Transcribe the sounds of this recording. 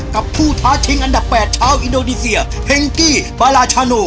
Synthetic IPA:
ka˨˩pʰːuː˥˩t̪ʰaː˦˥t̪ʰi˧˥˦ŋʔa˧nda˨˩pːɛː˨˩t̪̚t͡ɕʰaː˥˨wʔi˧ndoː˧niː˧si˧ɐ | pʰe˧ŋt̪iː˥˩paː˧laː˧t͡ɕʰaː˧noː˧

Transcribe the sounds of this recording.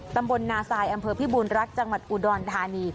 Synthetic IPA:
t̪a˧mbo˧nːaː˧saː˧jʔa˧mpʰɤː˧pʰiː˦˥˩buː˧nɾa˦˥k̪̚t͡ɕa˧ŋwa˨˩t̪̚ʔuː˧˩dɔː˧nt̪ʰaː˧niː˧

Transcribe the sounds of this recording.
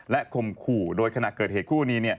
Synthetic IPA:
lɛ˦˥ʔkʰo˧mkʰuː˨˩doː˧jkʰa˧na˨˩kɤː˨˩t̚heː˨˩t̪̚kʰuː˥˩niː˦˥ni˥˩ɐ

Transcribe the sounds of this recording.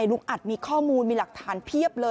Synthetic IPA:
a˧jlu˦˥ŋʔa˨˩t̪̚miː˧kʰɔː˥˩muː˧nmiː˧la˨˩k̚t̪ʰaː˩˦npʰi˥˩əp̚lɤː˧

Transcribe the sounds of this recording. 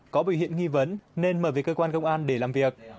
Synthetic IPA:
kɔ˨˦ɓi˧˩whḭ˧˨ənŋi˧və˨˦nne˧nməː˧˩veː˨˩jkəː˧kwaː˧nkə˧wŋ͡mʔaː˧nɗe˧˩laː˨˩mvi˨˩ək̚

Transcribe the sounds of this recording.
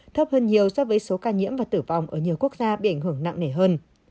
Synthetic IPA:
t̪ʰə˦˥p̚həː˧nɲi˨˩əwsɔ˧˥vəː˨˦jso˨˦kaː˧ɲḭ˧˥əmvaː˨˩t̪ɨ˧˩va˨˩wŋ͡mʔəː˧˩ɲi˨˩əwku˦˥ək̚zaː˧ɓḭ˧˨ʔa˧˩jŋ̟hɨ˧˩əŋna̰˧˨ŋne˧˩ɦəː˧n

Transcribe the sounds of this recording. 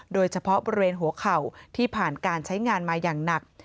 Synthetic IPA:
doː˧jt͡ɕʰa˧pʰɔ˦˥ʔboː˧ɾi˧weː˧nɦu˨˩˦əkʰa˨˩wt̪ʰiː˥˩pʰaː˨˩nkaː˧nt͡ɕʰa˦˥jŋaː˧nmaː˧jaː˨˩ŋna˨˩k̚

